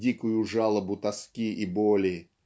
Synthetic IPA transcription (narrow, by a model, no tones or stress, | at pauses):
dʲikʊjʊʐalˠəbʊt̪ɐskʲiibolʲɪ